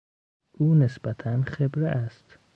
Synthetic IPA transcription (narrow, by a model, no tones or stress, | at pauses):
ʔuːnesbæt̪ʰænxebɾeʔæst̪